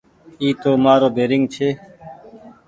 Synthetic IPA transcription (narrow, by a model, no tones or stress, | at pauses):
iːt̪oːmaːɾoːbeːɾɪŋɡ̚t͡ʃʰeː